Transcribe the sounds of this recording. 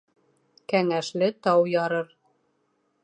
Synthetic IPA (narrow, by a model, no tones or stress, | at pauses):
kæŋæʃlɘt̪ɑwjɑɾɤɾ